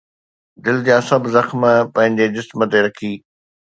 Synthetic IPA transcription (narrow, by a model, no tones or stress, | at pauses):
d̪ɪld͡ʑãsɐbzɐxməpɐ̃ɦɪ̃ɲd͡ʑed͡ʑɪsmət̪eɾɐkʰiː